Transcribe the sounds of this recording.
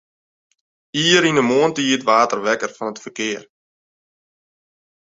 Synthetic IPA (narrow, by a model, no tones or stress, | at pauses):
iːəɾinəmoəntəiːətʋaːtərʋɛkərfɑnətfərkɪər